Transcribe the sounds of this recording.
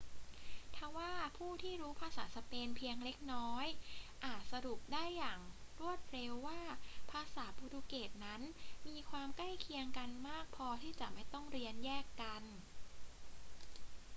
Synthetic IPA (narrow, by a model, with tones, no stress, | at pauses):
t̪ʰa˧˩waː˥˩pʰuː˥˩t̪ʰiː˥˩ɾuː˦˥pʰaː˧saː˩˦sa˧peː˧npʰi˧əŋle˦˥k̚nɔː˦˥jʔaː˨˩t̪̚sa˧ɾu˨˩k̚daː˥˩jːaː˨˩ŋɾu˥˩ət̪̚ɾe˧wːaː˥˩pʰaː˧saː˩˦pu˧duː˧keː˨˩t̪̚na˦˥nmiː˧kʰwaː˧mkla˥˩jkʰi˧əŋka˧nmaː˥˩k̚pʰɔː˧t̪ʰiː˥˩t͡ɕa˨˩ʔma˥˩jt̪ɔ˥˩ŋɾi˧ənjɛː˥˩kːa˧n